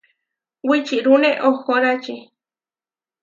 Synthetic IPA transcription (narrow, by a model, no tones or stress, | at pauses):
wit͡ʃiɾuneʔoxoɾat͡ʃi